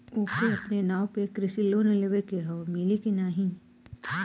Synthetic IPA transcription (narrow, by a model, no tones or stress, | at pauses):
oːkeɐpnenaːwpekɾɪsiloːneleʋekeɦɔːmɪlikinaːɦĩ